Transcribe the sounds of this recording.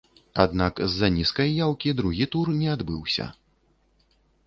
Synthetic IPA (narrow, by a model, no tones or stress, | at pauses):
a̰d̪nakzːanʲiskɐjːawkʲid̪ɾuɣʲit̪urnʲɛad̪bɨwsʲɐ̰